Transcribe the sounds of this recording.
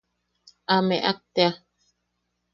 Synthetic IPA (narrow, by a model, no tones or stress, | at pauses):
ameʔa̰k̚t̪ea